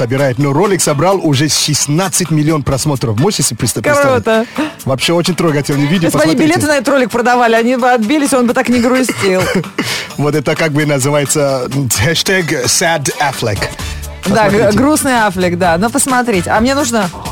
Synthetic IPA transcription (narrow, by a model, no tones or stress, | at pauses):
səbʲɪɾajɪt̪noɾolʲɪksɐbɾalˠʊʐɛsɕɪsnat̪sːɨtʲmʲɪlʲːɪo̞npɾɐsmo̞t̪ɾəfmosʲesʲɪpɾɪst̪əpot̪əvɐpɕːeot͡ɕɪnʲt̪ɾoɡɐtʲɪlˠnʲɪvʲidʲɪsʲbɐnʲibbɪlʲet̪ɨnɐɛt̪ət̪ɾolʲɪk̚pɾəd̪ɐvalʲɪɐnʲibɨɐd̪̚bʲilʲɪsʲo̞nbɨt̪aknʲɪɡɾʊsʲtʲilˠvot̪ɛt̪əkaɡ̚bɨnəzɨvajɪt̪səxɛʂt̪ɛɡsʲæd̪aflʲɪk | d̪aɡɡɾusnɨjaflʲɪkd̪anopəsmɐt̪ɾʲetʲɐmnʲe̞nuʐnə